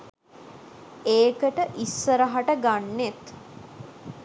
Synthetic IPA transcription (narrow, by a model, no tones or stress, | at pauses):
eːkəʈəʔisːəɾəɦaʈəɡanːet̪